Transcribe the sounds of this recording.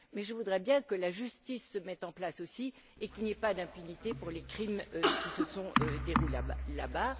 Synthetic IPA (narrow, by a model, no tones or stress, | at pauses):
mɛʒəvud̪ʁɛbjɛ̃kəlaʒyst̪isːəmɛt̪ɑ̃plasosi | ekilniɛpad̪ɛ̃pynit̪epuʁlekχimøkʲisəsɔ̃d̪eʁulebla̰ba